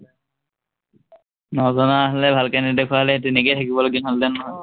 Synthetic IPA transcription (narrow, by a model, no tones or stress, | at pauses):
nɔzɔnaːɦlɛbʱalkanidekʰwaɦlɛetuniketʰakibɔloɡinallɛnɔɦɔj